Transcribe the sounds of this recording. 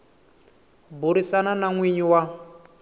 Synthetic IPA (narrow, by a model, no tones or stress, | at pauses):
buɾisananaŋwiɲiwa